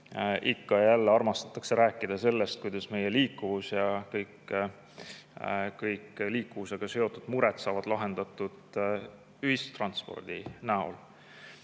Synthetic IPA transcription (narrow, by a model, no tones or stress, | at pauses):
ʔikːɑjælːeɑrmɑst̪ɑ̥t̪ːˑɑ̥kse̞ɾæːkːˑid̪̥ɑse̞lːest̪̚kujd̪̥ɑsme̞jeliːkːˑuvusjɑkɤjk | kɤjkːliːkːuvuse̞ɡ̥ɑse̞o̞t̪ːˑud̪̥muɾɛt̪sɑːvɑd̪̥lɑɦe̞nd̪̥ɑt̪ːˑud̪̥ | yhist̪rɑnt̪spo̞̰rd̪̥inæo̞̰l